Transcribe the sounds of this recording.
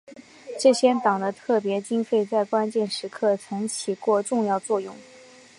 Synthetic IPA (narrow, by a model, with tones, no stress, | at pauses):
ʈ͡ʂɤ˥˩ɕjɛ˥nt̪ɑ˨˩ŋd̪ə˦t̪ʰɤ˥˩pjɛ˧˥t͡ɕi˥ŋfe˥˧ɪt͡sa˥˩ɪkwa˥nt͡ɕjɛ˥˩nʂɻ̩˧˥kʰɤ˥˩t͡sʰɤ˧˥ŋt͡ɕʰi˨˩kwɔ˥˧ʈ͡ʂʊ˥˧ŋjɑ˥˧ʊt͡swɔ˥˧jʊ˥˩ŋ